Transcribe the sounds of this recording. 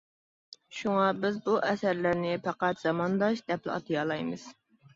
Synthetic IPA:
ʃuŋɑbɪzbuʔɛsæɾlæɾnɪpʰɑqæt̪z̥ɑmɑnd̪ɑʃd̪ɛp̚lɪ̰ɑ̰t̪ʰɨjɑlˠɑjmɨz̥

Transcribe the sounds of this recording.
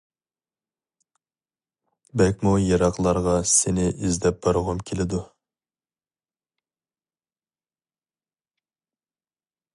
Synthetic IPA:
bɛkʲmujɑɾɑqlˠɑɾʁɑsɪnɪʔizd̪ɛp̚b̥ɑɾʁʊmkʲʰelɪd̪u

